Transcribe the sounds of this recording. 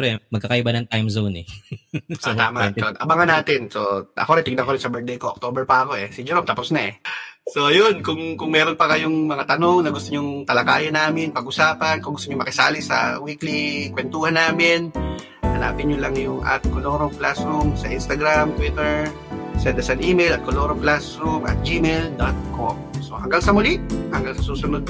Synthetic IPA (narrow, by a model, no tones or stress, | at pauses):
pɾɛmɐɡ̚kːakɐʔɪbanɐŋt̪ajmzownɛ | sot̪aːmaonʔɐbaŋɐnaːt̪ɪnsoʔɐ̰koɾɛt̪ɪɡnɐkoɾɪnsɐbɛk̚d̪ejkoʔok̚t̪oːbɛɹpɐɐko̞ʔɛsɪd͡ʒɛɾomt̪aposnɐʔɛso̞jonkʊŋkʊŋmɛːɾonpɐkɐjoŋmɐŋat̪ɐno̞ŋnɐɡʊst̪oɲʊŋt̪ɐlakaːjɐnaːmɪnpɐɡʔʊsaːpɐnkʊŋɡʊst̪oɲʊmɐkɪsa̰ːlɪsɐ̰wiklikwɛnt̪uːhanːaːmɪn | ʔɐna̰ːpɪɲolaŋjʊŋʔa̰t̪̚koloːɾoŋklasɾumsɐʔinst̪ɐɡɾamt̪wit̪ɛɹ | sɛnd̪ɐsɛnʔiːmɛjlɐt̪̚koloːɾoŋklasɾumʔɐ̰t̪̚d͡ʒimeld̪at̪̚ko̰mso̞̰hɐŋɡalsɐmʊliʔhɐŋɡalsɐsuːsʊnod̪̚